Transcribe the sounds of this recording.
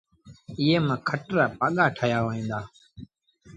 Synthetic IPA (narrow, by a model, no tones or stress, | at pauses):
ɪːeːmãːkʰəʈɾaːpaːɠaːʈʰəjaːʋoːĩːnd̪aː